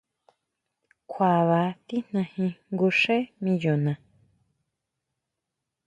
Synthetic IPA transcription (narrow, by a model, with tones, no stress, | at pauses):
kʷʰa˨βa˨˦t̪i˦n̥nã˧hĩ˧ŋɡu˧ʂẽ˦mĩ˧jo˨nã˨